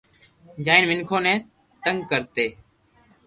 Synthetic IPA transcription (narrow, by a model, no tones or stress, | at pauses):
d͡ʒaːinʋɪŋkʰoːnɛ̃ː | t̪əŋɡkəɾt̪eː